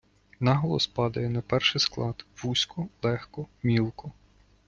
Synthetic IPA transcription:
nɑɦɔlˠɔ̰spɑd̪ɐjɛnɐpɛrʃɪsklˠɑd̪ʋusʲkɔlˠɛxkɔmʲilˠkɔ

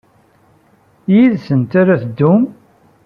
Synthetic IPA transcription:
jiðsənt̪aɾæθd̪ːum

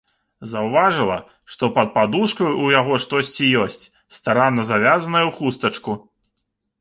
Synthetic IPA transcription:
zɐwvaʐɨlˠɐ̰ | ʂt̪ɔpɐt̪̚pad̪uʂkɐjujaɣɔʂt̪ɔsʲt͡sʲijɔsʲt͡sʲ | st̪aɾanːɐzavʲazɐnɐjɐwxust̪ɐt͡ʂku

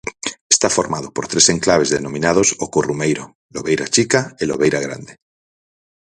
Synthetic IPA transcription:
est̪afoɾmað̞opoɾt̪ɾese̞ŋklaβ̞ezðenõmĩnað̞osokurumejɾo | loβejɾat͡ʃikaeloβejɾaɣ̞ɾa̰nd̪e

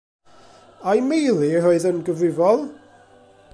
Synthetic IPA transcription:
ajmejlˠiroɨðənɡəvrɪvɔlˠ

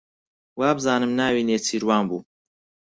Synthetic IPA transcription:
waːbɨzaːnɨmnaːwiːneːt͡sʰiːɾwaːnbṵː

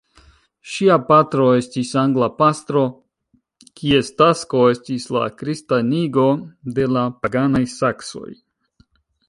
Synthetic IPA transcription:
ʃiapatɾo̞e̞stisaŋɡlapast̪ɾo̞ | kʰie̞stasko̞e̞stisla̰kɾistaniɡo̞de̞lapaɡanajsakso̞̰j

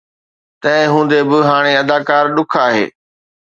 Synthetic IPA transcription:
t̪ɐ̃ɦɪ̃ɦũːnd̪ebɪɦaːɽ̃eɐd̪aːkaːɾɗʊkʰaːɦḛː

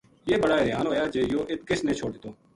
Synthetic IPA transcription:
jeːbəɽaːɾjaːnɦoːjaːd͡ʒeːjoːʔɪt̪̚kɪsneːt͡ʃʰoːɽd̪ɪt̪oː

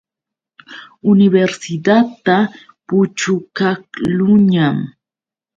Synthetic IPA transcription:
ʊnɪbeɾsɪd̪at̪ːa | pʊt͡ʃʊkaklʊɲam

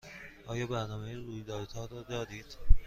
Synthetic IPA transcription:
ʔɒːjɒːbæɾnɒːmejeɾuːjd̪ɒːɾd̪hɒːɾɒːd̪ɒːd̪iːd̪̥

